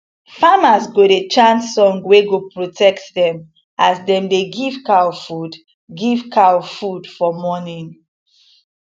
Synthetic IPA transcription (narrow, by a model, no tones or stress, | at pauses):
famasɡoɾet͡ʃãntsɔ̃ŋɡweɡopɹotʰɛktdɛ̃m | asdɛ̃mdeɡivkawfud | ɡivkʰawfudfɔmɔnĩŋ